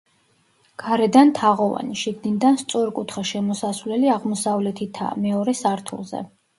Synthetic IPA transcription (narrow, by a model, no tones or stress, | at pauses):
ɡ̥aɾɛd̪ant̪ʰaʁɔva̰niʃiɡd̪ind̪anst̪sʼɔɾkʼut̪ʰχaʃɛmɔsasvlɛliaʁmɔsavlɛt̪ʰit̪ʰa̰mɛɔɾɛsaɾt̪ʰṵlˠzɛ̰